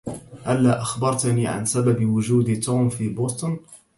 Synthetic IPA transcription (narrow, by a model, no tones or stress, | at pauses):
ʔalːaːʔaxbɑɾˤt̪niːʕa̰nsababɪwʊʒuːd̪t̪uːmfiːboːt̪ˤn